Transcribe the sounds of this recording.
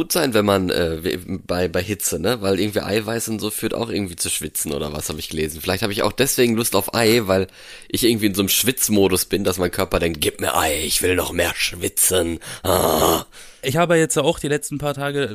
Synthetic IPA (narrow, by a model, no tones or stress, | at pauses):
uːtz̥aɪnvɛnmanʔɛ̰ːvḭbaɪbaɪɦɪt͡sənəvaɪlʔɪɐɡŋ̩tv̥ḭːʔa̰ɪvaɪsʊntz̥oːfyːɐta̰ʊxʔɪɐɡŋ̩tv̥iːt͡suʃv̥ɪt͡sn̩ʔo̰ːdɐva̰shaːbəɪçɡ̥əleːzn̩fɪlaɪçthaːbəɪça̰ʊxd̥ɛsv̥eːɡŋ̩lʊstaʊfʔa̰ɪvaɪl | ʔɪçɪɐɡŋ̩tv̥iːɪnzoːnəmʃv̥ɪt͡smoːdʊsb̥ɪndasmaɪnkʰœɐpɐdɛŋkt̚ɡ̥iːp̚miːɐʔa̰ɪɪçv̥ɪlnɔχmeːɐʃv̥ɪt͡sənha̰ | ʔɪçhaːbəjajɛt͡stjaaʊxd̥iːlɛt͡stn̩pʰaːɐtʰaːɡə